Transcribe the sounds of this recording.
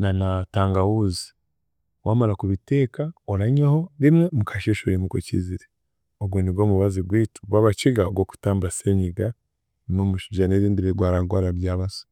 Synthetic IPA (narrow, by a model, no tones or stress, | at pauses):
nanataːŋɡawuzi̥ | wʔaːmalakuβite̞ːkaoɾaɲehoɾimemukʰaʃeʃoɾimukocḭziɾe | oɡwoniɡwo̞ːmuβaziɡwiːtu̥ɡwaːβat͡ʃiɡaoɡo̞ku̥taːmbaseɲiɡa | nomuʃuʒaneɾiːndiɾeɡwaːɾaɡwaɾaɾjaːβasḁ